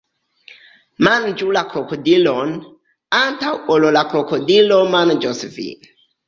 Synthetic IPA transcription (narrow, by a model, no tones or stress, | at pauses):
mand͡ʒulakɾokodilon | antawololakɾokodilomand͡ʒosfḭ